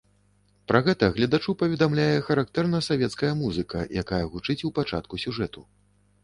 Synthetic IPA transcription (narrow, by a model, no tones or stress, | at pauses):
pɾɐɣɛt̪ɐɣlʲɐd̪at͡ʂupɐvʲɛd̪amlʲajɛxɐɾak̚t̪ɛrnɐsavʲɛt̪skɐjɐmuzɨkɐ̰jʔakajɐɣut͡ʂɨt͡sʲupat͡ʂa̰t̪̚kusʲuʐɛt̪u